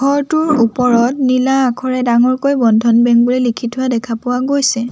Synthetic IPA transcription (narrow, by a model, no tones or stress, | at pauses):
ɡʱɔɹtʊɹupɔɹɔtnilaːkʰɔɹɛdaŋɔɹkojbɔndʱɔnbɛŋk̚bulelikʰitʰʊwadɛkʰapʊwaɡojsɛ